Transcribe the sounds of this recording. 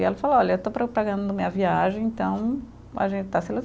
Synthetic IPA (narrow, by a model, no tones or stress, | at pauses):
ɛlɐfaloɔʎɐewt̪opɾɐpɾaɡɐ̃d̪ʊd̪ɐmĩɐviaʒẽẽnt̪ɐ̃w̃ | a̰ʒẽnt͡ʃɪ̥t̪aselu